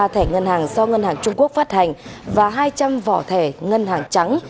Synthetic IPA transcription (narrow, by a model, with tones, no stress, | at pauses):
t̪ʰe˧˩ŋə˧nhaː˨˩ŋzɔ˧ŋə˧nhaː˨˩ŋt͡ɕʊ˧ŋ͡mku˦˥ək̚faː˦˥t̚ha˨˩jŋ̟vaː˨˩ɦaː˧jt͡ɕa˧mvɔ̰˧˩t̪ʰe˧˩ŋə˧nhaː˨˩ŋt͡ɕa˨˦ŋ